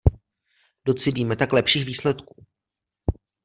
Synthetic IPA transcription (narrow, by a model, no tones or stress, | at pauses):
do̞t͡sɪdiːmɛt̪aklɛpʃiːxviːslɛt̪kuː